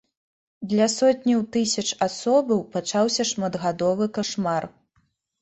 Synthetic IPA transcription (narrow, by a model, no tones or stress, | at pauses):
d̪lʲɐsɔt̪ʲnʲɐwt̪ɨsʲɐt͡ʂasɔbɐwpat͡ʂawsʲɐʂmɐd̪ɣad̪ɔvɨkaʂmar